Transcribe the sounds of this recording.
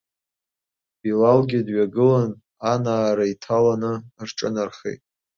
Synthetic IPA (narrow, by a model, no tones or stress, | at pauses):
bilalɡʲɪdɥaɡɨlan | anaːɾaitʰalanɨrʈ͡ʂʼɨnarχḛjtʼ